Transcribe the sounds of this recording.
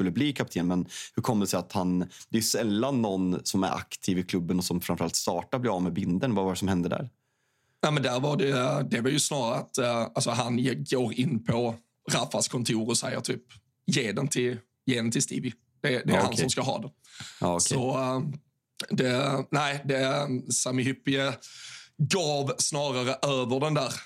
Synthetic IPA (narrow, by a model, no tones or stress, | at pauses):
ɵlːəbliːkʰap̚t̪ʰeːnmɛnhɵɾkʰɔmd̪ɛsɛɪat̪hand̪̥ɛɛjʉsɛlːanːɔnsɔmæ̰ɾa̰kt̪ʰiːvɪkʰlɵbːənɔsɔmfɾanfəɾa̰lt̪st̪ɑːʈaɾblɪɾɑːvmɛbɪnd̪ənvavaɾɛsɔmhɛnd̪əɖæ̰ːɾ | næɪmɛnd̪æɾvɑɖɛd̪ɛvɑjɵsnɑːɾaat̪alsɔɦanjeɡoːɾɪnːpʰɔ | ɾafːaskʰɔnt̪ʰuːɾɔsɛjːə̰t̪ʰyːp̚ | jeːd̪ɛnt̪ʰɪl | jeːnt̪ʰɪlst̪ḭːvɪ | d̪̥ɛd̪ɛæɾhanssɔmskaɦɑ̰ːd̪ɛː | sɔ | d̪ɛnæɪd̪ɛsamɪhʏpːɪə | ɡɑːvsnɑːɾaɾəʔøːvəɖɛnd̪æːɾ